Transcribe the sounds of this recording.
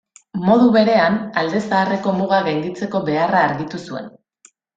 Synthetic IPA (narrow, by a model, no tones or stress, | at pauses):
mo̞ð̞uβe̞ɾe̞anald̪e̞saːre̞ko̞muɣ̞aɣajnd̪it͡se̞ko̞βe̞araːɾɣit̪usue̞̰n